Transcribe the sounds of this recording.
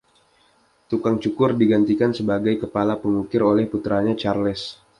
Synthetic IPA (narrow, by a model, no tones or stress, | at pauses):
t̪ukaŋt͡ʃukʊrdiɡant̪ikansəbaɡajkəpalapəŋukɪɾolɛhput̪ɾaɲat͡ʃarlɛs